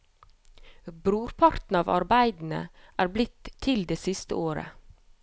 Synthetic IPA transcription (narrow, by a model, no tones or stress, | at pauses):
bɾuːɾpʰɑɾt̪n̩ɑːʋɑ̰ɾbæɪd̪n̩ə̰ʔæːɾblɪt̪ʰːɪld̪eːsɪst̪ə̰oːɾə̰